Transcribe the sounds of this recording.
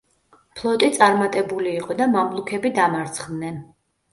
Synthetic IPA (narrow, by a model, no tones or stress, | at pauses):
pʰlˠɔt̪ʼit̪sʼaɾmat̪ʼɛbuliːqʼɔd̪amamblˠukʰɛbid̪amaɾt̪sʰχd̪nɛn